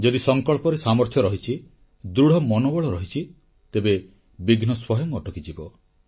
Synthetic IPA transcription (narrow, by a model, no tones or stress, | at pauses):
d͡ʒɔd̪isɔŋkɔɭpɔɾesamɔɾt̪ʰjɔɾɔɦit͡ʃʰi | d̪ɾuɽ̤ʱɔmɔnɔbɔɭɔɾɔɦit͡ʃʰi | t̪ebe | biɡnɔswɔɦjɔŋɔʈɔkid͡ʒibɔ